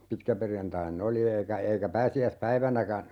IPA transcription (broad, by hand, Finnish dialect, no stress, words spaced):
pitkæperjɑntɑinː oli eikæ eikæ pæːsiæspæiʋænækæ